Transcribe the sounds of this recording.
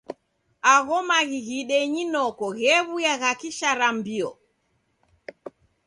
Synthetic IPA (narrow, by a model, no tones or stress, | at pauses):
aɣɔmaɣiɣiɗɛɲinɔkɔɣɛβujaɣakiʃaɾambiɔ